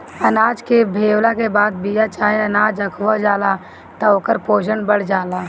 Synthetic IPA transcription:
ɐnaːd͡ʒkebʱeːwlakebaːd̪̚bijat͡ʃaːɦeɐnaːd͡ʒɐkʰʋad͡ʒaːla | t̪ɐoːkəɾpoːd͡ʒənbəɽ̤d͡ʒaːlaː

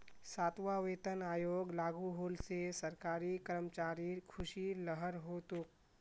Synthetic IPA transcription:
saːt̪ʋaʋeːt̪ənaːjoːɡlaːɡuɦoːlsesəɾkaːɾikəɾəmt͡ʃaːɾikʰʊʃiləɦəɾɦoːt̪uk

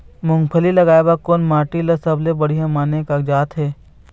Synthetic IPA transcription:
mʊ̃ŋɡpʰəlilɐɡaːebakoːnmaːʈilɐsɐblebɐɽ̤ijãmaːnekad͡ʒaːt̪ɦɛː

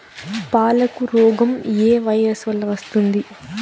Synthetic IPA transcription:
paːlɐkuɾɔːɡɐmeːʋɐjɐsʋɐlːɐʋɐst̪und̪i

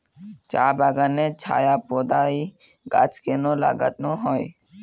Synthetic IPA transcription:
t͡ʃabaɡanet͡ʃʰa̰japod̪ai | ɡa̰t͡ʃkenola̰ɡa̰t̪noɦɔj

